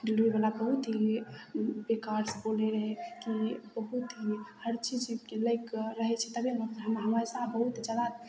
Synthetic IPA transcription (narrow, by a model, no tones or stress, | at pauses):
ɖiluibalabəɦut̪ɦi | bekaɾsboleɾəɦekibəɦut̪ɦihəɾt͡ʃid͡ʒibkeləɪkɾəɦɛt͡ʃʰɛt̪əbʱiləɦəmɦəməsabəɦut̪d͡ʒəd̪a